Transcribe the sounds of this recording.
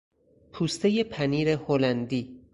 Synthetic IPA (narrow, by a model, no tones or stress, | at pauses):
pʰuːst̪ʰe̞je̞pʰæniːɾeholænd̪iː